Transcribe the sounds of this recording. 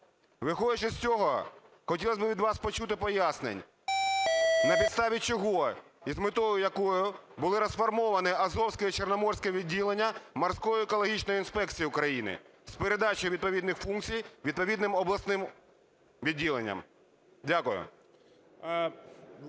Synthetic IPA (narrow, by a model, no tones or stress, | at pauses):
ʋɪxɔd̪ɪt͡ʃɛsʲt͡sʲɔɦɔ | xɔtʲilˠɐsʲbɪʋʲid̪ʋɑspɔt͡ʃut̪ɪpɔjasnḛnʲ | nɐpʲid̪t̪st̪ɑʋʲit͡ʃɔɦɔ | izmɪt̪ɔjʊjɐkɔjʊbʊlˠɪɾɐsfɐrmɔʋɐnɪɐzɔwsʲkɪt͡ʃernɔmɔrsʲkɛʋʲidʲːilˠenʲːɐmɐrsʲkɔjʊekɔlˠɔɦʲit͡ʃnɔjʊinspɛk̚t͡sʲijiʊkɾɐjinɪ̰ | speɾed̪ɑt͡ʃɔjʊʋʲid̪̚pɔʋʲid̪nɪxfunk̚t͡sʲijʋʲid̪̚pɔʋʲid̪nɪmɔblˠɐsnɪm | ʋʲidʲːilˠenʲːɐ̰m | dʲakʊjʊ̰